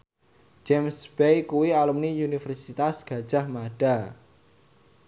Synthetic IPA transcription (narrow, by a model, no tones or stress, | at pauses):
d͡ʒɛmsbejkuwialumniunifɛrsit̪asɡ̥ä̤d̥ʒ̥a̤hmaɖ̥a